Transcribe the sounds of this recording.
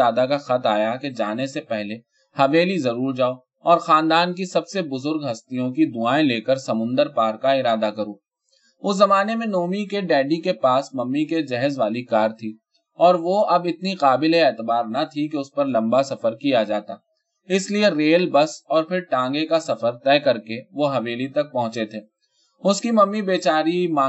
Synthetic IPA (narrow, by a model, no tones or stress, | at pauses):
aːd̪akaxɐt̪aːjaked͡ʒaːnesepɛɦle | hɐʋeːlizɐɾuːɾd͡ʒaːo | ɔːɾxãːnd̪aːnkisɐbsebʊzʊɾɡɦɐst̪ijõkid̪ʊaːẽleːkəɾsɐmʊ̃nd̪əɾpaːɾkaɪɾaːd̪akɐɾoː | ʊszɐmaːnemẽnoːmikeɖɛːɖikepaːsmɐmːiked͡ʒɛɦzʋaːlikaːɾt̪ʰi | ɔːɾʋoɐbɪt̪niqaːbɪlɦeɛːt̪ɪbaːɾnɐt̪ʰikeʊspɐɾlɐ̃mbasɐfəɾkijad͡ʒaːt̪aː | ɪslieɾeːlbɐsɔːɾpʰɪɾʈãːŋɡekasɐfəɾt̪ɛːkɐɾkeʋoɦɐʋeːlit̪ɐk̚pɐɦʊ̃t͡ʃet̪ʰeː | ʊskimɐmːibeːt͡ʃaːɾimaː